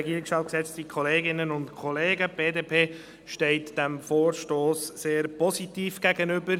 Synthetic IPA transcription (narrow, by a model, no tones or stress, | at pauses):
ɛɡiːɾɪksʃtɑːt̚ksɛt͡stikʰɔleːɡɪnənʊntkʰɔleːɡəb̥eːdeːpʰeː | ʃtɛɪtd̥æmfoːɾʃtoːsːeːɾpɔsitiːfɡ̥æɡənʏbəɾ